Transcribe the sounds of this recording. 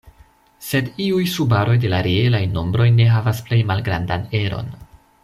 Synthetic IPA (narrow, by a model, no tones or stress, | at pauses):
se̞diujsubaɾo̞jde̞laɾeelajno̞mbɾo̞jne̞ɦavasple̞jmalɡɾandane̞ɾo̞̰n